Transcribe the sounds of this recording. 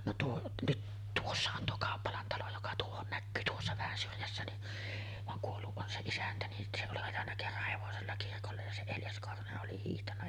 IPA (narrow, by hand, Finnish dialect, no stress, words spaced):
no tuo nyt tuosːɑ on tuo kɑˑopːɑlɑn tɑlo jokɑ tuohon nækːyː tuosːɑ ʋæhæn syrjæsːæ ni ʋɑŋ kuolːuʔ ʔon se isæntæ ni se oli ɑjɑnːɑ kerːɑh heʋoselːɑ kirkolːej jɑ se eljɑs korhoneʔ ʔoli hiːhtɑnːɑ